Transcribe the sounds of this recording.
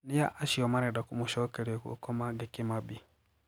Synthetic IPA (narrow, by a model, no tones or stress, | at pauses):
nijaʔaʃiɔmanɛdakumuʃɔkɛɾiɔkṵkɔmaɡekimabi